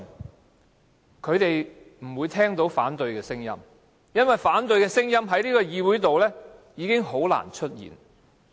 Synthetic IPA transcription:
kʰɵ˨˧ɥt̪e˨j | m̩˨˩wuː˨˧jt̪ʰɛː˥ŋt̪o˨˥wfaː˨˥nt̪ɵ˨ɥkɛː˧sɪ˥ŋjɐ̰˥m | jɐ˥nwɐ˨jfaː˨˥nt̪ɵ˧ɥkɛː˧sɪ˥ŋjɐ˥mɦɐ˨˥jliː˥kɔː˧jiː˧wu˨˥jt̪o˨wlɛː˥jiː˨˧kɪ˥ŋɦo˨˥wla̰ː˨˩nt͡ʃʰɵ˥t̚jḭː˨˩n

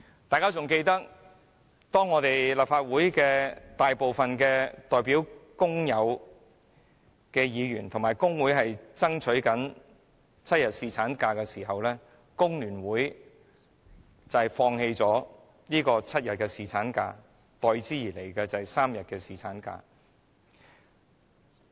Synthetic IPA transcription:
t̪aː˨jkaː˥t͡sʊ˨ŋke˧jt̪ɐ˥k̚ | t̪ɔː˥ŋːɔː˨˧t̪e˨jlɐ˨˩p̚faː˧t̚wuː˨˥jkɛː˧t̪aː˨jpo˨wfɐ˨nkɛː˧t̪ɔː˨jpiː˨˥wkʊ˥ŋjɐ˨˧w | kɛː˧jiː˨˧ɥyː˨˩nt̪ʰʊ˨˩ŋmaː˨˩jkʊ˥ŋwu˨˥jɦɐ˨jt͡sɐ˥ŋt͡ʃʰɵ˨˥ɥkɐ˨˥n | t͡sʰɐ˥t̚jɐ˨t̚siː˨t͡sʰaː˨˥nkaː˧kɛː˧siː˨˩ɦɐ˨wlɛː˥ | kʊ˥ŋlyː˨˩nwuː˨˥j | t͡sɐ˨fɔː˧ŋhe˧jt͡sɔː˨˥ | niː˥kɔː˧t͡sʰɐ˥t̚jɐ˨t̚kɛː˧siː˨t͡sʰaː˨˥nka̰ː˧ | t̪ɔː˨˧jt͡siː˥jiː˨˩le˨˩jkɛː˧t͡sɐ˨saː˥mjɐ˨t̚kɛː˧siː˨˩t͡sʰaː˨˥nka̰ː˧

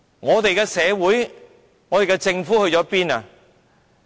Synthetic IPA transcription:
ŋɔː˨˧t̪e˨jkɛː˧sɛː˨˧wuː˨˥j | ŋɔː˨˧t̪e˨jkɛ˧t͡sɪ˧ŋfuː˨˥hɵ˧ɥt͡sɔː˨˥piː˥na˨

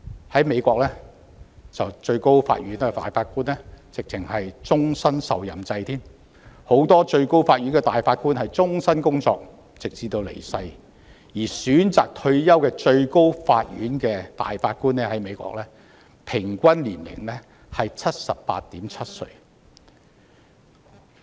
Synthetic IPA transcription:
hɐ˨˥jme˨˧jkɔː˧k̚lɛː˥ | t͡sɐ˨wt͡ʃɵ˧ɥko˥wfa̰ː˧t̚ɥyː˨˥nɛ˧fa̰ː˨jfaː˧t̚kuː˥nɛː˥t͡sɪ˨k̚t͡sʰɪ˨˩ŋhɐ˨jt͡sʊ˥ŋsɐ˥nsɐ̰˨wjɐ˨˩mt͡sɐ˧jt̪ʰiː˥m | ho˨˥wt̪ɔː˥t͡ʃɵ˧ɥko˥wfaː˧t̚ɥy˨˥nɡɛː˧t̪aː˨jfaː˧t̚kuː˥nhɐ˨jt͡sʊ˥ŋsɐ˥nkʊ˥ŋt͡sɔː˧k̚ | t͡sɪ˨k̚t͡siː˧t̪o˧wlḛ˨˩sɐ˧j | jiː˨˩syː˨˥nt͡sa̰ː˨k̚t̪ʰɵ˧ɥjɐ˥wkɛː˧t͡ʃɵ˧ɥko˥wfaː˧t̚ɥyː˨˥nkɛː˧t̪a̰ː˨jfaː˧t̚kuː˥nːɛː˥hɐ˨˥jme˨˧jkɔ̰˧k̚lɛː˥ | pʰɪ˨˩ŋkʷɐ˥nliː˨˩nlɪ̰˨˩ŋlɛ˥ | hɐ˨jt͡sʰɐ˥t̚sɐ˨ppa̰ː˧t̚t̪iː˨˥mt͡sʰɐ˥t̚sɵ̰˧ɥ

